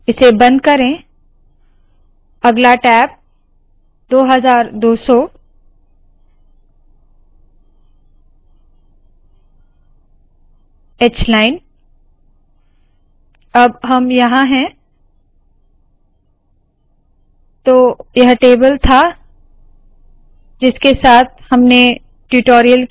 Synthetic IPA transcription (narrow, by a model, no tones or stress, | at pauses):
ɪsebɐ̃nd̪̚kɐɾẽ | ɐɡlaʈɛːp̚ | d̪oːɦɐzaːɾd̪oːsɔ | eːt͡ʃlaːɪn | ɐbɦɐmjɐɦãɦɛ̃ | t̪oːjɐɦʈeːbəlt̪ʰa | d͡ʒɪskesaːt̪̚ʰhɐmne | ʈuʈoːɾijəl